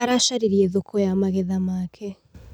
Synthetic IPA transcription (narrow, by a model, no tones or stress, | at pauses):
aɾaʃaɾiɾieðokʰɔjamaɣeðamakʰɛ